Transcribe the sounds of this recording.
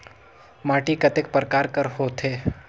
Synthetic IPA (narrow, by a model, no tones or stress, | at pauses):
maːʈikət̪ekpəɾkaːɾkəɾhoːt̪ʰeː